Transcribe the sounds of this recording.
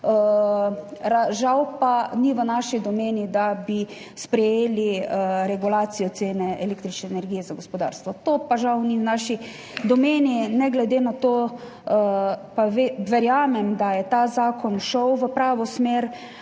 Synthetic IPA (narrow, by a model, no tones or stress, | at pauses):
ə | ɾaʒawpaniʋənaʃid̪ɔmeːnid̪abi | spɾɛjeːliəɾɛɡulaːt̪sijɔt̪seːnɛʔɛleːkt̪ɾit͡ʃnɛɛnɛɾɡijɛzaɡospɔd̪a̰ːɾst̪ʋɔt̪oːpaʒawniwnaʃi | d̪ɔmeːninɛɡlɛd̪enat̪oː | əpaʋeʋɛɾjaːmɛmd̪ajɛt̪aːzaːkɔnʃɔwʋəpɾaːʋɔsmeːɾ